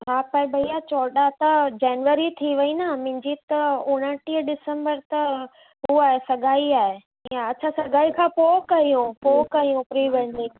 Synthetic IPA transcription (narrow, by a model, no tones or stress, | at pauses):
ɦaːpɐɪ̃bʱɐijat͡ɕɔːɗat̪ɐd͡ʑɛːnʋəɾit̪ʰiʋɐinɐmɪ̃ɲd͡ʑit̪ɐʊ̃ɽ̃əʈiːəɖɪsə̃mbəɾt̪ɐ | ɦuaːɦesɐɡʱaːiaːɦe | iːãɐt͡ɕʰasɐɡʱaːikʰãːpoːkɐijũpoːkɐɦijũpɾiːʋɛ̃ɳɖɪk